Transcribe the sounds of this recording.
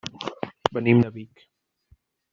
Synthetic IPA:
bənimnəβik

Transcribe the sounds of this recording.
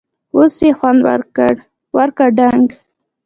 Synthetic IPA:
osjexwand̪wa̰ɾkəɽ | waɾkaɖaŋɡ

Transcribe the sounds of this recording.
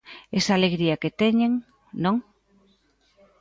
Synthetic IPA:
esaːleɣɾiaket̪eɲeŋ | nõŋ

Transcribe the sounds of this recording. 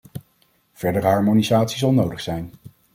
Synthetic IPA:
v̥ɛɹdəɹɦɑɹmonizaːtsizɑlˠnowdəχsɛjn

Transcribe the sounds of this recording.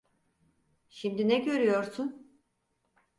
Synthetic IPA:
ʃimd̪inɛɟø̞ɾyjo̞ɾsʊn

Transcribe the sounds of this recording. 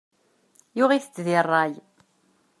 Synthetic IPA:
jʊʁiθət͡sːðirˤːɑj

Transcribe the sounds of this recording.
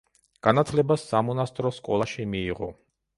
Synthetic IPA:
ɡ̥anat̪ʰlɛbasːamɔnast̪ʼɾɔskʼɔ̰lˠaʃimiːʁɔ̰

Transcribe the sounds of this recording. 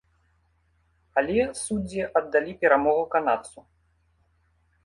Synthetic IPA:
alʲɛsud͡zʲɛʔɐd̪ːalʲipʲɛɾamɔɣɐkanat̪su

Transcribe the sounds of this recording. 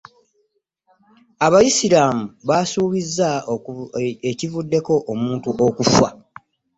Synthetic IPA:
aβajisiɾaːmuβasuːβizːa | ecivudːe̞ko̞ʔːmuːntuʔokufwa̰

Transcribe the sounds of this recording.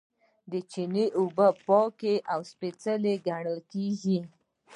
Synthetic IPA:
d̪ət͡ʃineʔubəpɑkeʔawspet͡səleɡaɳəlkeɡi

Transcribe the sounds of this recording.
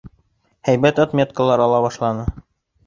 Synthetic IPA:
hæjbæt̪ɑt̪mʲet̪̚kəlˠːɑɾɑlˠɑβɑʃlˠɑnɤ

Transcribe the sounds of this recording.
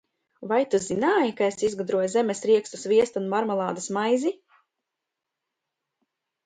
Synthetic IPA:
vajt̪uzinaːjikaesizɡad̪ɾuɔjzemesɾiɛkst̪usviɛst̪unmaɾmalˠaːd̪asmajzi

